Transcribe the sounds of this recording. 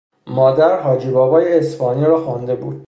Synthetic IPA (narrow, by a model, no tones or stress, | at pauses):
mɒːd̪æɾɦɒːd͡ʒiːbɒːbɒːjeespɒːniːɾɒːxund̪e̞bṵːd̪̥